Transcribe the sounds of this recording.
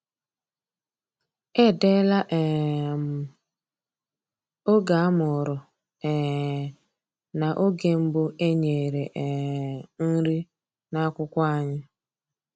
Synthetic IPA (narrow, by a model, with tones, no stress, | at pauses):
e˦de˦la˦ʔɛ˨m̩˨ | o˦ɡa˨a˦mʊ˨ɾʊ˨ | ɛ˨ | na˨ʔo˦ɡe˨m̩˦bʊ˦e˦ɲe˨ɾe˨ʔɛ˨n̩˦ɾi˦ | na˦kʷʊ˦kʷa˦˨ɲɪ˦